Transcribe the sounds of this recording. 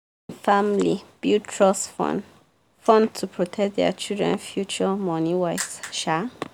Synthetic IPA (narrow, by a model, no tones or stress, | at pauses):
famlib̥jutʰɹɔs | fɔ̃ntʰupʰɹɔtʰɛk̚t̚dɛ̰t͡ʃildɹɛ̰̃nfjut͡ʃəmɔniwaɪfsʃa